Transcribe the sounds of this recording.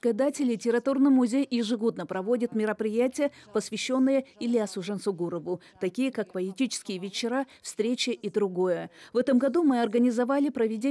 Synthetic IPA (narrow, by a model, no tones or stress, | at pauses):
kəd̪atʲɪlʲɪtʲɪɾɐt̪urnɨjmʊzʲejjɪʐɨɡo̞d̪nəpɾɐvo̞dʲɪt̪mʲɪɾəpɾʲɪjætʲɪjəpəsvʲɪɕːo̞nːɨjəɪlʲɪasʊʐɛnsʊɡuɾəvʊ | t̪ɐkʲijəkakpəɪtʲit͡ɕɪ̥skʲɪjəvʲɪt͡ɕːɪɾafst̪ɾʲet͡ɕəʔid̪ɾʊɡo̞jəvɛt̪əmɡɐd̪umɨɐrɡənʲɪzɐvalʲɪpɾəvʲɪdʲe